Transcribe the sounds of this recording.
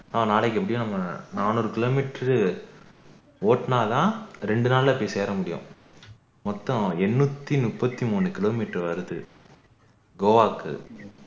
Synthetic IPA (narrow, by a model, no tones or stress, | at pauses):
nɐmːɐnaːɭɐk̬ːɯɛp̬ːɐɽɪjʊ̃nɐmːɐnaːnoːɾɯkɪloːmiʈːɾ | oːʈnaːlãːɾɛɳɖɯnaːllɐpːɐɽiseːɾɐmʊɽɪjʊ̰̃ | mɔt̪ːɔ̃ɛnːut̪ːinʊpːɐt̪ːimuːnɯkɪloːmiʈːɐɾʋɐɾɯðɯ̰ | ɡoːʋaːkːɯ̰